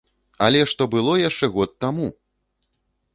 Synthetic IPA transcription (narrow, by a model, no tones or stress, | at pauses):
ɐ̰lʲɛʂt̪ɔbɨlˠɔjaʂt͡ʂɛɣɔt̪ːamu